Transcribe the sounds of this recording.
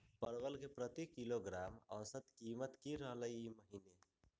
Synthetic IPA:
pəɾbəlkepɾət̪ikiloɡɾamə̰sət̪kimət̪kiɾəɦləjiməɦine

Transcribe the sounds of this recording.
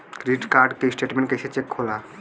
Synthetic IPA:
kɾiʈkaɾɖkesʈeʈmẽɳʈkeeʃet͡ɕʰekʰola

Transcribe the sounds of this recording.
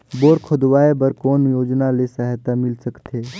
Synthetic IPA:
boːɾkʰʊd̪waːebəɾkoːnjoːd͡ʒnalesəɦt̪amɪlsəkt̪ʰeː

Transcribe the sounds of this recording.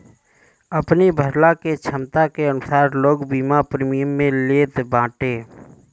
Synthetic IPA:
əpnibʱəɾlaket͡ʃʰəmt̪akeənʊsaːɾloːɡbiːmapɾeːmijəmːẽleːt̪bãːʈeː

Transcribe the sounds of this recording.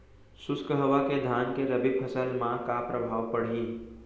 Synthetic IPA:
sʊskəɦʋaked̪ʱaːnkeɾɐbipʰəsəlmãkapɾəbʱaːʋpəɽ̤ĩː

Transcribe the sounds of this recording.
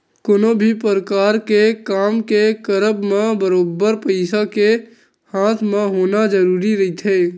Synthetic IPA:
konobʱipəɾəkaːɾkekaːmkekəɾəbmãbəɾoːbːəɾpəɪsake | haːt̪ʰmãɦoːnad͡ʒəɾuːɾiɾɐɦit̪ʰeː

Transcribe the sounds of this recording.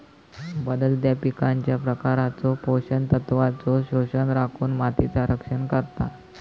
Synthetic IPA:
bəd̪əld̪japikaɲt͡ɕjapɾəkaɾat͡sopoɕənt̪ət̪ʋat͡soɕoɕənɾakʰuːnmat̪it͡saɾəkʂənkəɾt̪a

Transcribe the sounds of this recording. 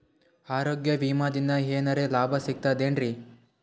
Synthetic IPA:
aːɾoːɡjɐʋiːmaːd̪ind̪ɐɦeːnɐɾe̞laːbʱɐsiɡ̚t̪aːd̪eːnɾi

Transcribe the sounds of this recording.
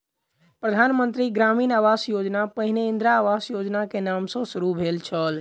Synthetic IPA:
pɾəd̪ʱanmənt̪ɾiɡɾamiːnaʋasjod͡ʒnapəɦineind̪ɾaːʋasjod͡ʒnakenamsə̃suɾubʱelt͡ʃʰəl

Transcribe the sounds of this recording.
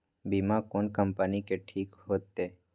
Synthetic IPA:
biːmakoːnkəmpənikeʈʰiːkɦoːt̪ːeː

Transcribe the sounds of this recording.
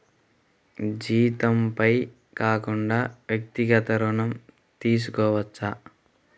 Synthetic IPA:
d͡ʒiːt̪ɐmpɐj | kaːkuɳɖaːʋjɐk̚t̪iɡɐt̪ɐɾuɳɐm | t̪iːs̬ukɔːʋɐt͡ʃːɐ

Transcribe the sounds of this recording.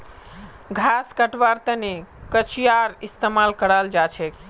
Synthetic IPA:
ɡʱaskəʈʋaɾt̪ənekət͡ʃijaɾist̪emalkəɽald͡ʒat͡ʃʰɛk

